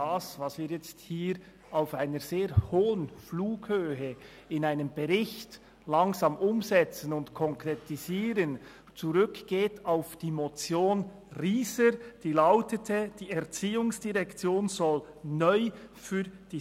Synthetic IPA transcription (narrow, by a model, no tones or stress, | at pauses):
aːsvɑsviːɾjɛt͡sthiːɾ | aʊfaɪnəɾz̥eːʁhoːənfluːɡhøːɦə | ɪnaɪnəmb̥ɛʁɪçt | lɑŋzɑːmʔʊmzɛt͡sənʊntkʰɔŋkʁetiziːɾən | t͡suʁʏkɡ̥eːtʰaʊfd̥iːmot͡sjoːn | ʁiːsəd̥iːlaʊtətʰəd̥iːɛʁt͡siːʊŋsd̥iʁɛkt͡sjoːnz̥ɔl | nœʏfyːd̥iː